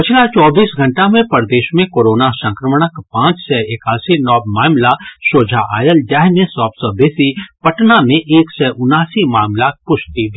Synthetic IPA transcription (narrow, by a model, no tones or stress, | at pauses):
pɪt͡ʃʰlat͡ʃɔːbiːsɡʱɐ̃ɳʈamẽpəɾd̪eːʃmẽkoːɾoːnasə̃ŋkɾəməɽ̃əkpãːt͡ʃsɛɪkaːsinɔːbmaːmlaʃoːd͡ʒʱaʔa̰ːjəld͡ʒaːɦnẽsɔːbsɔbesipɐʈnamẽʔeːksɛːʔʊnaːsimaːmlapʊʃt̪id̪ʱi